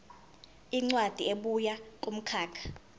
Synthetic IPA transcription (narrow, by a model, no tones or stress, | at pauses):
iŋ͡ǀwad̥ʱieɓujak̬ʼom̩kʰaːkʰḁ